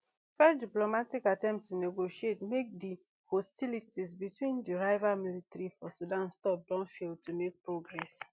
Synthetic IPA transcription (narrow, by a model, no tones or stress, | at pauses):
fɛdiplomatikatɛ̃mpstuneɡoʃietmek̚di | hɔstilitʰisbitwĩndiɹaɪvamilitɹifɔsudãnstɔp̚dɔ̃nfiltumek̚pɹoɡɹɛs